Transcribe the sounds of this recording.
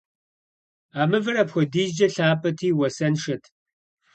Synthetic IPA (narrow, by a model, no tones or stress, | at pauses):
aːmɨvɨɾɐpxʷɔdiːzd͡ʒɐɬaːpʼɐtʰiːwɐsɐnʂɐtʰ